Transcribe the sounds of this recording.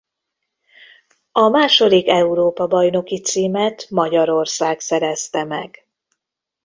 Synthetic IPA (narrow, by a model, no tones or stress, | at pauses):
ɒmaːʃo̞d̪ikɛuɾoːpɒbɒjno̞kit̪siːmɛt̪mɒɟɒɾo̞rsaːksɛɾɛst̪ɛmɛ̰ɡ̥